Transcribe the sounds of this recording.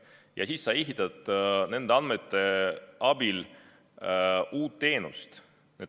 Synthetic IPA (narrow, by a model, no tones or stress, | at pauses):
jɑ̰sisːɑiɦit̪ːˑɑd̪̥ne̞nd̪̥eɑnmet̪ːˑe̞ʔɑb̥il | ʔuːt̪ːe̞ːnṵst̪ | ne